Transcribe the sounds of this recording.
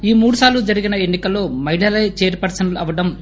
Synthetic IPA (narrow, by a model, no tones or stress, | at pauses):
iːmuːɽusaːɾlud͡ʒɐɾiɡinɐenːikɐlːo̞ːmɐɦiɭɐlɐjt͡ʃe̞ːɾpɐɾsɐnlɐʋɐɖɐm